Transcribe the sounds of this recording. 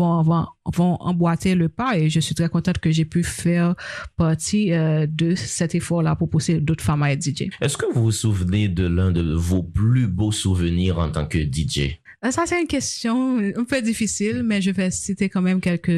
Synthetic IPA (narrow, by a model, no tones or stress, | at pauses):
vɔ̃vɔ̃vɔ̃ʔɑ̰̃bwat̪eləpaeʒəsɥit̪ʁɛkɔ̃t̪ɑ̃t̪kəʒepyfɛʁpaʁt̪iød̪əsɛt̪efɔʁlapuʁpused̪ot̪χfamaɛd̪id͡ʒḛɛskəvuvusuvəned̪əlɛ̃d̪əvoplybosuvəniːʁɑ̃t̪ɑ̰̃kəd̪id͡ʒḛ | sasɛt̪ynkʲɛst̪jɔ̃ɛ̃pød̪ifisilmɛʒəvɛsit̪ekɑ̃mɛmkʲɛlkə